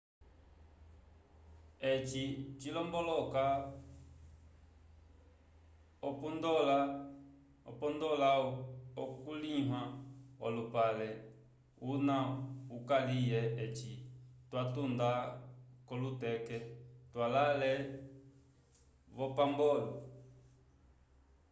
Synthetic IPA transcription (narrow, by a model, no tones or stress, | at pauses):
ɛt͡ʃit͡ʃilɔmbɔlɔka | ɔpundɔla | ɔ̰pɔndɔlaɔkuliɦwaɔ̰lupalɛ | unaukalijɛɛt͡ʃitwatundakɔlutɛkɛtwalalɛ | βɔpambɔlɔ